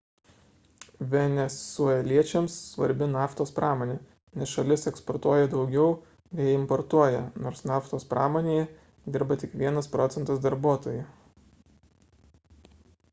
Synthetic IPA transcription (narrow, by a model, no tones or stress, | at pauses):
ʋʲɛnʲɛsuɔɛlʲiɛt͡ʃʲɛmsːʋɐɾʲbʲɪnɑːft̪oːspɾʔɑːmoːnʲeː | nʲɛsʃɐlʲɪsɛkspɔɾt̪uɔjɛd̪ɒʊɡʲɛʊ | nʲɛjɪmpɔɾt̪uɔjɛnoːɾsnɑːft̪oːspɾʔɑ̰ːmoːnʲeːjɛ | d̪ʲɪɾbɐt̪ʲɪkʋʲiɛnɐspɾɔːt̪sʲɛnt̪ɐsd̪ɐɾbuɔt̪oːjʊ